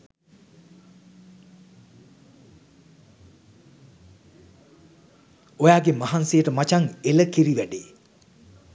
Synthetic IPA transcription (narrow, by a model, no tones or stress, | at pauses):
ojaːɡemaɦansejəʈəmat͡ʃaŋeləkiɾiʋæɖe